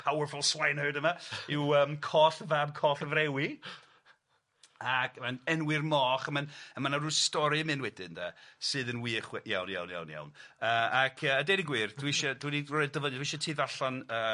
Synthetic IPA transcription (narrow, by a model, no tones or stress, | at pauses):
pʰawərfʊlˠswajnhəɨdəmaɪwəːmkʰɔːθəvabkʰɔːθəvɾɛwi | akəmanɛnwɪrmɔːχəmanəmanaruːstɔɾɨmɨnwɛdɪnda̰sɨːðənwiːχwɛja̰wnja̰wnja̰wnja̰wnəːakʰəːdeniɡwiːrd̥wɪʃɔdwinirɔɛdəvəndwiʃɔtʰiːðaɬanəː